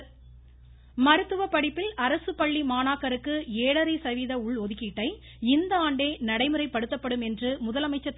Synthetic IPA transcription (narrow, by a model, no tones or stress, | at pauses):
mɐɾɯt̪ːɯʋɐpɐɽɪpːɪlɐɾɐsɯpɐɭːimaːnaːkːɐɾɯkːɯeːɽɐɾɐɪsɐʋiðɐʊɭɔðɯkːiːʈːɐɪ | ɪnd̪ɐaːɳɖeːnɐɽɐɪmɯrɐɪpːɐɽɯt̪ːɐpːɐɽɯmɛndrɯmʊðɐlɐmɐɪt͡ʃːɐt̪ː